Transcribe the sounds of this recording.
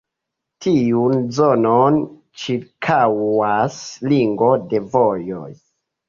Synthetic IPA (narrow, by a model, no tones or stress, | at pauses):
tʰiunzonon | t͡ʃiɾkʰawasliŋɡo̞de̞vojoj